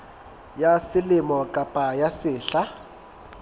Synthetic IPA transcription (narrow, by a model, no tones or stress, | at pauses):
jasɪlɪmɔkʼapʼajasɪːɬa